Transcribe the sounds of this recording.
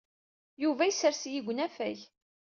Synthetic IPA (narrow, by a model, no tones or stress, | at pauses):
juvæjəsəɾsjiɡʷənæfæç